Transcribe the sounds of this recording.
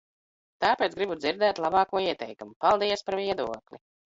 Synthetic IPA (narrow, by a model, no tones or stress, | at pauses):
t̪aːpeːt̪sɡɾibud̪ziɾd̪ɛːt̪lˠabɑːkuɔiɛt̪ɛjkumupalˠd̪iɛspaɾviɛd̪uɔklʲḭ